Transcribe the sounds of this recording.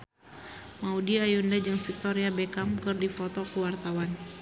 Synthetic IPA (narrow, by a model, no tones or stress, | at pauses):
maudiajundad͡ʒɨŋfik̚t̪ɔɾiabɛkamkɨrdifɔt̪ɔkuwart̪awan